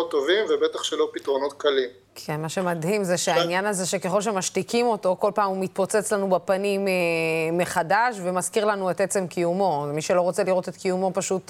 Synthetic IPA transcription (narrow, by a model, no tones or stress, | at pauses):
ot̪ːo̞vimvebet̪aχʃelopit̪ʁo̞no̞t̪kalim | kʰenmaʃe̞madhimzeʃeainjanaze̞ʃe̞keχo̞lʃ̬emaʃtikimo̞to̞ko̞lpaːmumit̪̚po̞t͡set͡slanubapanimeːe̞χadaʃve̞mazkiʁlanuetet͡se̞mkijumo̞zmiʃe̞lo̞ʁo̞t͡se̞liʁo̞te̞tkijumo̞paʃut